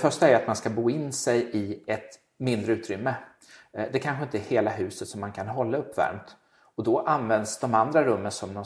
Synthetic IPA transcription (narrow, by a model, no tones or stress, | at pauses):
fœʂʈaæɾjat̪manskabuːɪnːsɛjɪɛt̪ | mɪnd̪ɾəʉːt̪ɾʏmːə | d̪ɛkʰanɧəɪnt̪əæɾheːlaɦʉ̟ːsət̪sɔmːankʰanɦɔlːaɵpːvæ̰ɾmt̪ | ɔd̪ɔʔanvɛnd̪sd̪ɔmand̪ɾaɾɵmːənsɔmd̪ɔ